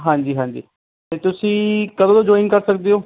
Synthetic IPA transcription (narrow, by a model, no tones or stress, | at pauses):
ɦãːɲd͡ʒiːɦãːɲd͡ʒḭː | t̪eːt̪ʊsĩːkəd̪õõːd͡ʒɔːɪ̃ŋɡkəɾsəkd̪eːɦoː